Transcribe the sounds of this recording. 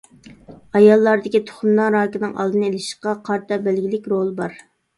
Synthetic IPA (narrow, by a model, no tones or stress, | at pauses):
ɑjɑlˠːɑɾd̪ɪkʲit̪ʰʊ̥χʊmlɑɾɑːkʲɪnɨŋɑ̰lˠd̪ɨnelɪʃɪ̥qɑqʰɑɾt̪ʰɑbælɡʲilɪkʲɾolˠbɑɾ